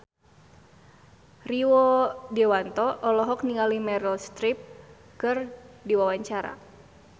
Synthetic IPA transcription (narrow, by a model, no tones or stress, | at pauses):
riwɔdɛwant̪ɔʔːlɔɦɔk̚niŋalimɛɾəlst̪ɾip̚ | kɨrdiwawaɲt͡ʃaɾa̰